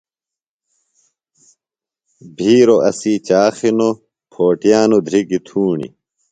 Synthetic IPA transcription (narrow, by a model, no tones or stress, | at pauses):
bʱiːɾoʔɐ̰siːt͡ɕaːxino | pʰoːʈijaːnod̪ʱɾikit̪ʰuːɳḭ